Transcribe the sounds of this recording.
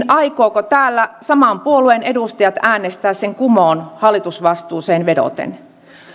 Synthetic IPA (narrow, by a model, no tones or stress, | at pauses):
nɑikoːkot̪æːlːæsɑmɑmpuoluene̞dust̪ɑjɑt̪æːnːest̪æːsseŋkumoːnhɑlːˑit̪usʋɑst̪uːseːnʋedo̰t̪ḛn